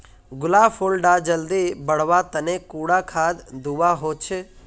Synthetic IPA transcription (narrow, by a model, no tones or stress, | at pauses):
ɡʊlaːfʰolɖad͡ʒəld̪ibəɽ̤ʋat̪ənekuːɽakʰaːd̪d̪uʋaɦot͡ʃʰe